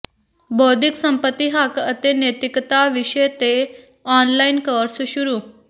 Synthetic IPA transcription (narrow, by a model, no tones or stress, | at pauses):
bʱɔːd̪ʱɪksəmpət̪ːiɦakət̪enet̪ɪkt̪aʋɪʃəjt̪e | ɔːnlainkəɾsʃʊɾu